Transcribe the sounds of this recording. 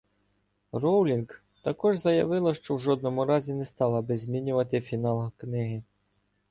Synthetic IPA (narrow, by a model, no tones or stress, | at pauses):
rɔwlʲinɡ | t̪ɐkɔʒzɐjɐʋɪlˠɐʃt͡ʃɔwʒɔd̪̚nɔmʊɾɑzʲinɛst̪ɑlˠɐbɪzʲmʲinʲʊʋɐt̪ɪfʲinɑlˠɐknɪɦɪ